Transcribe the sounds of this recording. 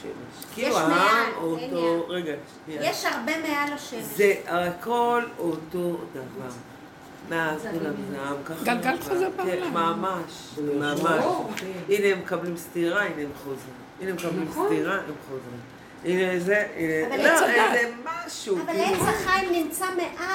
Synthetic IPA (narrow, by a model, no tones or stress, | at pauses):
ʃḛleʃkiuaamotoʁeɡaʃtijeʃaʁbemealaʃezeako̞loto̞d̪avaʁ | meazulamnaamkaχɡalɡalt̪χozeʁaemamaʃ | mamaʃineemekablimst̪iʁaineemχozʁimineemekablimst̪iʁaemχozʁim | inezeineloezemaʃuvaleaχajmnimt͡sameʔa